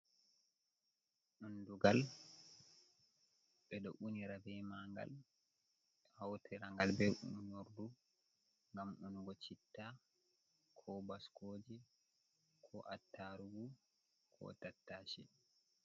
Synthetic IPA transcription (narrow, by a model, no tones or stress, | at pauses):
ɗunduɡal | bɛɗɔʔuniɾabɛmaŋɡa̰l | hawtʰɛɾaŋɡalbɛṵɲoɾdu | ŋɡamɗunɡɔt͡ʃitːa | kʰɔbaskoːd͡ʒɛ | kʰɔʔatːaɾuɡu | kʰɔ̰tatːaʃɛ